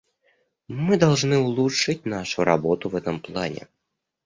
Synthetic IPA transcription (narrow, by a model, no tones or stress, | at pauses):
mɨd̪alˠʐnɨʊlˠuʂɨtʲnaʂʊɾa̰bot̪ʊvɛt̪əmplˠa̰nʲɛ̰